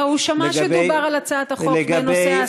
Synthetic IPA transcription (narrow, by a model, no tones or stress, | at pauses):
uʃamʃubaʁalat͡saːt̪aχoeɡanes